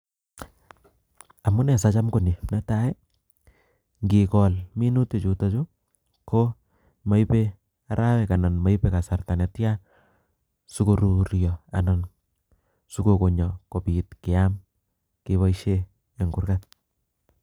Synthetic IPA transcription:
a˨mʊ˦nɛ˨sat͡ʃa˦mko˦˨ni˨nɛ˦tae˦ | ŋɡi˨kɔ˨lmi˦nu˦te˨t͡ʃu˨ta˦t͡ʃu˦ | ko˦ | ma˦ipe˦ | a˨ɾʔa˦wɛ˨ka˨na˨nma˦jpe˦ka˨sarta˨nɛ˨tja | su˦ko˨ɾuɾjɔa̰na˨n | su˦ko˨ko˨ɲɔ˨ko˨pitkɪ˨am | kiβa˦iʃe˦ | e˨ŋɡu˨rkat̚

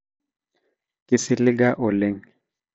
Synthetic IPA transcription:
kʼɪ˦sɪ˦lɪ˦ɡa˦ʔʊ˨le˦ŋ

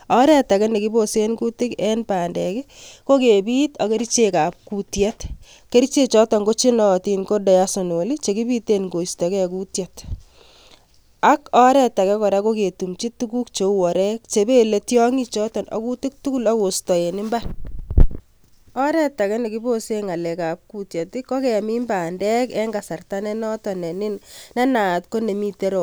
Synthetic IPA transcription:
ɔɾɛ˨ta˨kɛ˦ne˨ki˦bosenku˦tɪ˦kɛ˦npaː˨ndɛ˨kɛ˦ko˦ke˨biː˦tɔ˨ke˦ɾit͡ʃe˦ka˨p̚kutjɛ˦t | ke˦ɾit͡ʃe˦t͡ʃɔ˦tɔ˨ŋɡo˦t͡ʃi˦nɔ˨ti˨nko˦dɔ˨ja˦so˨no˨li˦t͡ʃe˨ki˦bi˦te˦nko˨istɔ˨kɛ˦˨ku˦tjɛ˦t | a˦kɔ˦ɾɛ˦ta˨kɛ˦kɔ˨ɾa˦ko˦ke˨tu˨mt͡ʃi˦tu˦ku˦kt͡ʃo˨˦ɔ˨ɾɛ˦k̚t͡ʃe˨be˦le˨tjɔ˦ŋi˦t͡ʃɔ˦tɔ˨nɔ̰˨ku˦tɪ˦k̚tu˦ku˦lɔ˦ko˨stɔ˨e˨nɪ˦mba˦n | ɔ˦ɾɛ˦ta˨kɛ˦ne˨ki˦bo˦se˦ŋa˨lɛ˨ka˨p̚ku˦tje˨tɪ˦kɔ˦kɛ˨mi˦mbaː˨ndɛ˦kɛ˦ŋɡa˨sa˨rta˦nɛ˦nɔ˦tɔ˨nɛ˨nɪ˦nnɛ˦na˨tko˦ne˨mi˦te˦ɾo˨

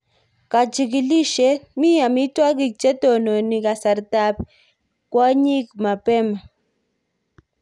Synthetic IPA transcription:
ka˨d͡ʒi˨ki˨li˦ʃe˦mi˦ja˨mi˦twa˦k̬i˨t͡ʃɛ˦to˨no˨ni˨ka˨sa˨ɾta˦p | kwa˦ɲi˦kma˨pɛ˦ma˨

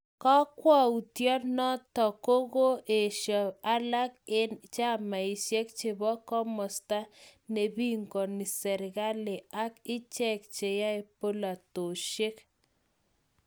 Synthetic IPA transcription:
kɔ˦kwɔ˦u˨tjɔ˦nɔ˦tɔ˨ko˦ko˦ʔe˨ʃjɔ˨a˦la˦ke˦nt͡ʃa˦ma˨i˨sje˦kt͡ʃe˨bɔ˦kɔ˦mɔ˨sta˦ne˨bi˦ŋkɔ˨ni˨sɛ˨ɾɪ˨ɣa˦le˨a˦kɪ˦t͡ʃɛ˦˨k̚t͡ʃe˨ja˦e˨po˦la˨to˨ʃje˦k

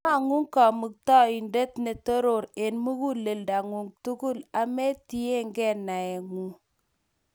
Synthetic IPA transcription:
a˦˨ŋu˦ŋka˨mu˨k̚tɔ˦i˨nde˦tne˨to˦ɾo˨ɾe˨nmu˦ɡu˦lːe˨lda˨ŋu˨ŋtu˦ɡu˦la˨me˦ti˦je˦ŋɡe˦nːa˨e˨ŋu˨

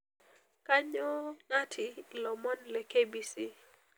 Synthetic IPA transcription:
kaɲɔ˦ŋa˦tʰilɔ˨mɔ˦nlɛkebisi˦

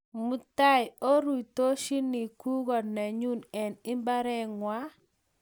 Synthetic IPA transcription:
mu˨ta˦jo˦ɾu˨to˦ʃi˦ni˨ku˦ɡɔ˨nɛ˨ɲu˦˨nɛ˨ni˦mba˦ɾɛ˦ŋwa˦

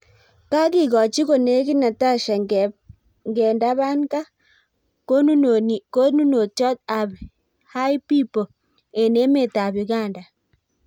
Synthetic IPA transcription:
ka˦ki˦˨ɣɔ˨t͡ʃi˦ko˨ne˦ki˦na˨ta˦ʃa˨ | ŋɡɛ˨nda˦βa˦nka˦ | ko˦nu˦˨n˨ko˦nu˦no˨t͡ʃɔ˦t̚a˨b | ha˦jpi˦po˨ | e˨ne˦me˦˨ta˨bu˨ɡa˦˨nda˨

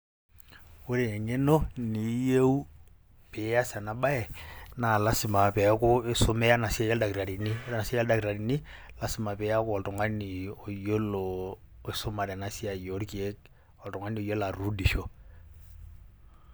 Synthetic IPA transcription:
ʊ˦ɾe˨ɛ˨ɲe˦no˦ni˨˦je˦u˦ | pɛ˨˦ja˦sa˨na˨ɓa˦ɛ˨na˨la˦si˨ma˨pɛ˨˦kʊ˦ɪ˦so˦mɛ˦a˦na˨si˦a˦ja˦lda˨ki˨ɾa˨ɾi˨ni˦ɾa˦na˨sa˦a˦da˨kiɾa˨ɾi˨ni˦ | la˦si˨˦ma˨pɛ˨˦a˦kʊ˦ɔ˨ltɔ˨ŋa˦ni˨o˨jo˦lo | e˦so˦ma˨ɾɛ˨na˦si˦a˨jo˨ɾki˨e˦k | ɔ˨tɔ˨ŋa˦ni˨o˨jo˦la˨ɾu˦di˨ʃo˦

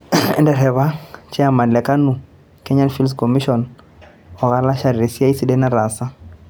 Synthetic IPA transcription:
ɛ̰˦ndɛ˨ɾɛ˨βa˦t͡ʃɛ˦a˨ma˨lɛ˨ka˦nu˨ | kɛ˦ɲa˦nfi˦ls̬kɔ˨mi˦ʃɔ˨n | ɔ˨ɣa˦la˦ʃa˨ɾɾɛ˨si˦a˦i˦si˨ɗɛ˦na˦ɾa˨sa˦

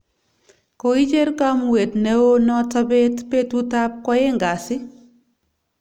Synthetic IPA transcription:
ko˨i˦t͡ʃe˦ɾka˦mwe˨tne˦wo˦nɔ˦ta˦be˦tpe˦tu˦ta˦p̚kɔ˦je˦ŋɡa˨sɪ˦

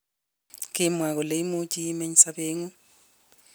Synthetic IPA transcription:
kʼɪmwa˨k̬ɔ˨le˨i˦mo˦t͡ʃʼi˦me˦ɲisabeː˦ŋu˦

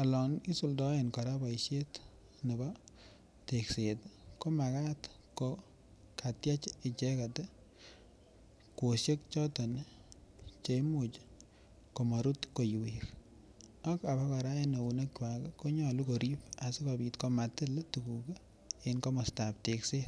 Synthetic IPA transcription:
ɔ˨lɔ˨ni˦su˦ldɔ˦enkɔ˨ɾa˦ba˨iʃe˦t | ne˨bɔ˦ | tekse˨tko˦ma˨ka˦t | ko | katja˦t͡ʃɪ˨t͡ʃe˦ka˨tɛ˦ | ko˨ʃje˦k̚t͡ʃɔ˦tɔ˨n˦ | t͡ʃemu˨t͡ʃ | ko˨mɔ˨ɾu˦tko˨ju˨wik | ɔ˦ka˨ba˦ka˨ɾa˦eno˨u˨ne˦kt͡ʃwa˨kko˦ɲɔ˦˨luko˨ɾi˦pa˨si˦ko˨bi˨tko˦matɪ˦ltuku˨ke˦ | enko˦mɔ˨stap̚te˨kse˦t

